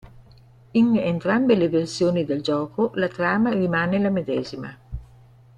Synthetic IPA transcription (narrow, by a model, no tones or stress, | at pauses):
inent̪ɾambeleversjoːnid̪eld͡ʒɔːkolat̪ɾaːmarimaːnelamed̪ɛːzima̰